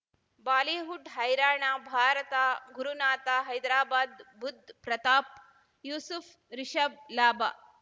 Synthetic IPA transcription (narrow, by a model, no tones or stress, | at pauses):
baːleːɦuɖɦɐjɾaːɳaːbʱaːɾɐt̪aːɡuɾunaːt̪aːɦɐjd̪ɾaːbaːd̪bud̪ʱpɾɐt̪aːp̚ | juːsuf | ɾiʃɐb̚laːba